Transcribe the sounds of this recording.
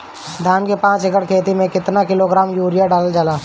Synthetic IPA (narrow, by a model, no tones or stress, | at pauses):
d̪ʱaːnkepãːt͡ʃɪkəɽkʰeːt̪imẽkɪt̪nakɪloɡɾaːmjuːɾɪjaɖaːld͡ʒalaː